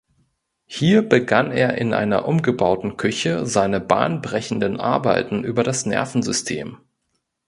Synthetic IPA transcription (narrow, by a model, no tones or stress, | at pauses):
hiːɐbəɡanḛːɐʔɪnʔa̰ɪnɐ̰ʔʊmɡəbaʊtn̩kʰʏçəzaɪnəba̰ːnbʁɛçn̩dənʔa̰ɐbaɪtn̩ʔyːbɐɾasnɛ̰ɐfn̩zʏstʰḛːm